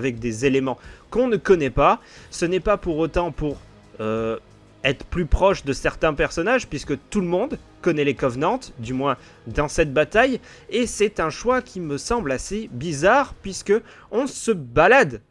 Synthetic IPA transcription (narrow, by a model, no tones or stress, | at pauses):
avɛk̚d̪ezelemɑ̃kɔ̃nəkɔnɛpasənɛpapuʁot̪ɑ̃puʁ | ø | ɛt̪χəplypχɔʃd̪əsɛʁt̪ɛ̃pɛʁsɔnaʒpɥiskət̪ulmɔ̃d̪kɔnɛlekɔvnɑ̃t̪d̪ymwɛ̃ | d̪ɑ̃sɛt̪̚bat̪aj | esɛt̪ɛ̃ʃwakʲiməsɑ̃blasebizaʁpɥiskə | ɔ̃səbalad̪